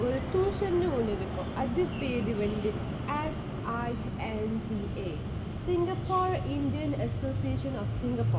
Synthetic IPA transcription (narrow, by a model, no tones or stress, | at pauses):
oɾut̪uːʂɐnːuuːnːiɾukːumɐd̪ipeːðiʋeɳɖi | es | aj | enʈi | eː | siŋɡɐpaːrinɖijɐnɐsoːsijeːʂɐnɔːfsiŋɡɐpaː